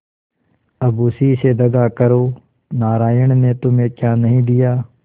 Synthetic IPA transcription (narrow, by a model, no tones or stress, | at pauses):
ɐbuːsiːsed̪ɐɡaːkɐɾoː | naːɾaːjəɽ̃net̪ʊmẽːkjaːnɐɦĩd̪ɪjaː